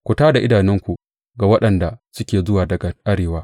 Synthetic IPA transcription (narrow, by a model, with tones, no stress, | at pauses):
kʷʊ˨taː˦da˨ʔɪ˦daː˨nɪ˦ŋkʷu˨ | ɡa˨wɐ˦ɗɐ˨nda˨sʊ˦kʲeː˨zʊ˦waː˨dɐ˨ɡa˨ʔa˦ɽeː˨waː˦